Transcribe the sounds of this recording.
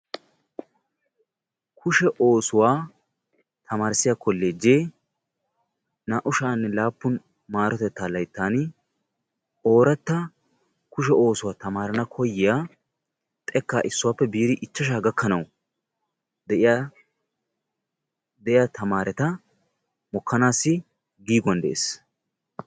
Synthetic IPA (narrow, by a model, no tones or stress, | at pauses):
kʰʊʃɛʔoːsʊwaː | t̪ʰɐmaːɾsɪjaːkɔlːeːd͡ʒeː | naːʔʊʃaːnːɛlaːpːʊn | maːɾɔt̪ɛt̪ːaːlɐjt̪ːaːnɪ | ʔo̞ːɾɐt̪ːɐ | kʊʃ̬ɛo̞ːsʊwat̪ɐmaːɾɐnɐkʰɔjːɪjaː | t̪ʼɛkːaːʔɪsːʊwaːpːɛbiːɾɪʔɪt͡ʃːɐʃaːɡɐkʰːɐnɐw | d̪ɛɪ | d̪ɛʔɪjaːt̪ʰɐmaːɾʔɛt̪ɐ | mɔkːɐnaːsːɪ | ɡiːɡwɐnd̪ɛʔḛːs